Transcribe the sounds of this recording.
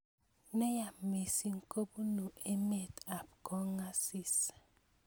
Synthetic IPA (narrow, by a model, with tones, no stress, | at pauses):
ne˦ja˨me˨si˦ŋ̩˦kʼo˦bu˦nu˨ʔe˦me˨ta˨p̚kɔ˦ŋa˦si˦˨sḁ˨